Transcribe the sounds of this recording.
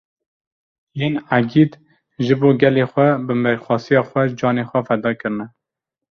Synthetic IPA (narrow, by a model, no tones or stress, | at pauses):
jeːnæɡid̪ | ʒɨboːɡɛleːxʷɛbɨmɛɾxʷɑːsijɑːxʷwɛd͡ʒɑːneːxʷɛfɛd̪ɑːkɨɾɨnɛ